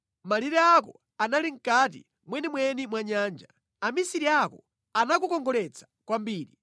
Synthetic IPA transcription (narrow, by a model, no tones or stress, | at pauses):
maliɾɛakɔ̰ | analiŋ̩katḭ | mwɛnimwɛnimwaɲaːnd͡ʒa | amisiɾiakɔ | anakukɔŋɡɔlɛt͡sʰḁkwambiːɾi